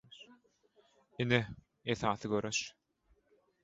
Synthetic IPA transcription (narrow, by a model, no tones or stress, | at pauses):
ine | eθɑːθɯɡøɾøʃ